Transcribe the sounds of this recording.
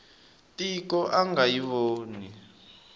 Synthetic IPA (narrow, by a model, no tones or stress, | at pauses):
tikɔʔaŋɡajiβoːni